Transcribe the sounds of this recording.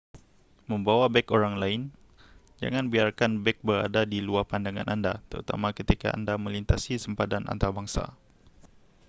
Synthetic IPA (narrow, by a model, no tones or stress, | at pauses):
mə̃mbawabɛkoɾaŋlaɪn | d͡ʒa̰ŋanbiarkanbɛk̚bəɾa̰dadiluarpandaŋa̰nʔandat̪əɾut̪a̰makət̪ika̰ʔa̰ndamə̃lint̪asisəmpad̪anʔa̰nt̪abaŋsa̰